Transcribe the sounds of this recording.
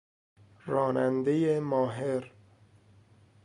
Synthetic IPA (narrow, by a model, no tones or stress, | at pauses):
ɾɒːnænd̪ejemɒːɦeɾ